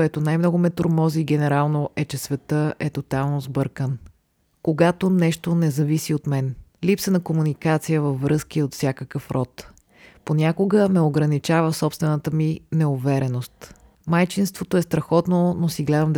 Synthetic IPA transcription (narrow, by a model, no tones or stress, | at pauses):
ɛt̪onajmnɔɡʊmɛt̪oɾmɔziɡɛnɛɾalˠnoʔɛt͡ʃɛsvɛt̪əʔɛt̪ot̪alˠnozbɤɾkən | koɡat̪onɛʃt̪onɛzɐvisiot̪mɛnlipsənɐkomunikat̪sijəvɐfːɾɤskiot̪fsʲjakəkəfɾʔɔt̪ | ponʲakoɡəmɛoɡɾənit͡ʃavəfsɔpst̪vɛnət̪əminɛʊvɛɾɛnost̪ | majt͡ʃinst̪vot̪oɛst̪ɾɐxɔt̪nonosiɡlɛd̪əmd̪